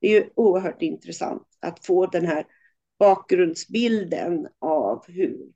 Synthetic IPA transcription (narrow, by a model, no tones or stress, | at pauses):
d̪ɛjɵuːəɾɦœːʈɪnt̪ɾɛsa̰nt̪a̰t̪foːd̪ɛnɦæːɾ | b̥ɑːk̚ɡɾɵnd̪sbɪld̪ə̰navhʉɾ